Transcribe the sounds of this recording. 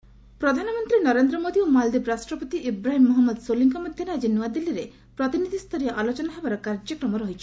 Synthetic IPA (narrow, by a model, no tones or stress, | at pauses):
pɾɔd̪ʱanɔmɔnt̪ɾinɔɾend̪ɾɔmod̪iomald̪ibɾasʈɾɔpɔt̪iibɾaɦimːɔɦɔmːɔd̪soliŋkɔmɔd̪ʱjɔnaed͡ʒinuad̪ilːiɾe | pɾɔt̪inid̪ʱist̪ʰɔɾijɔʔalot͡ʃɔnaɦebaɾɔkaɾd͡ʒɔkɾɔmɔɾɔɦit͡ʃʰi̥